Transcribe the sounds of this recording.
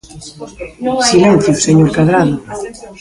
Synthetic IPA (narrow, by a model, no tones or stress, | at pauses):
silen̟θjuseɲoɾkaðɾaðʊ